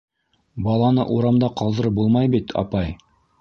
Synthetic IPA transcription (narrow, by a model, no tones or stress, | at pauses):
bɑlˠɑnɤ̰ʔuɾɑmd̪ɑqɑlˠd̪ɤ̆ɾɤbulˠmɑjbit̪ʰɑ̰pɑj